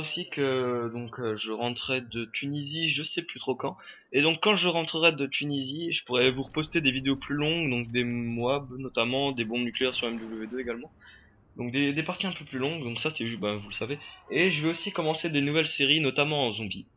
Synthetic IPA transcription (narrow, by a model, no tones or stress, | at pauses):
osikəd̪ɔ̃køʒəʁɑ̃t̪χɛd̪ət̪ʰyniziʒəsɛplyt̪χokɑ̃ | ed̪ɔ̃kːɑ̃ʒəʁɑ̃t̪χəʁɛd̪ət̪ʰyniziʒəpuʁɛvuʁəpɔst̪ed̪evid̪eoplylɔ̃ɡd̪ɔ̃k̚d̪emwabnɔt̪amɑ̃d̪ebɔ̃nykleɛʁsɔʁɛmd̪ubləved̪øeɡalmɑ̃ | d̪ɔ̃k̚d̪ed̪epaʁt̪iɛ̃pøplylɔ̃ɡd̪ɔ̃ksasɛbɛ̃vuləsaveeʒəvɛosikɔmɑ̃sed̪enuvɛlseʁinɔt̪amɑ̃ɑ̃zɔ̃bi